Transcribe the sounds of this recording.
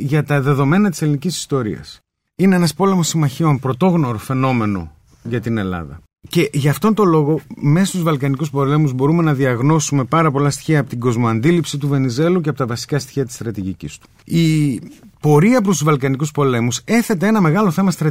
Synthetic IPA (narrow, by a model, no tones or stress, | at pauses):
ʝɐt̪ɐðe̞ðo̞me̞nɐt̪i̥se̞linicisi̥st̪o̞ɾḭɐ̰s | ineenɐspo̞le̞mosimɐçio̞npɾo̞t̪o̞ɣno̞ɾofe̞no̞me̞no̞̰ | ʝɐt̪ine̞lɐ̰ðɐ̰ | ce̞ʝɐːft̪o̞nt̪o̞lo̞ɣo̞me̞sɐst̪uzvɐlkɐnikuspo̞le̞muzbo̞ɾume̞nɐðiɐɣno̞sume̞pɐɾɐpo̞lɐst̪i̥çiɐːpot̪iɡo̞zmoɐnd̪ilipsit̪uve̞nize̞luceɐpo̞t̪ɐvɐsi̥kɐst̪i̥çiɐt̪i̥st̪ɾɐt̪iʝicḭst̪u̥ | i | po̞ɾiɐp̬ɾost̪uzvɐlkɐnikuspo̞le̞muse̞θe̞t̪eenɐme̞ɣɐlo̞θe̞mɐst̪ɾɐ